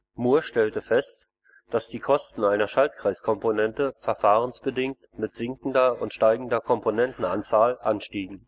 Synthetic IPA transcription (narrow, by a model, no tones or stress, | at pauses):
muːɐʃtɛltəfɛst | d̥asd̥iːkʰɔstn̩aɪnɐʃalt̚kʁ̥aɪskʰɔmponɛntəfɛɐfaːʁ̞ənsb̥ədɪŋk̚t | mɪtz̥ɪŋkn̩dɐʊntʃtaɪɡŋ̩dɐkʰɔmponɛntn̩a̰nt͡saːlʔanʃtiːɡŋ̩